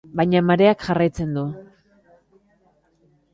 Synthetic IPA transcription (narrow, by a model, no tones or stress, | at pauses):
bajɲamaɾe̞akʝarajt͡se̞nd̪u